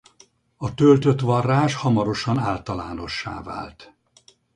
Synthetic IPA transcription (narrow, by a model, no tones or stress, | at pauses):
ɒt̪ølt̪øt̪ʋɒrːaːʃhɒmɒɾo̞ʃɒnaːlt̪ɒlaːno̞ʃːa̰ːva̰ːlt̪